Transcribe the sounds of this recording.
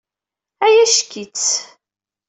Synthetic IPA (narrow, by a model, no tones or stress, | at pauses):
æjæʃkit͡s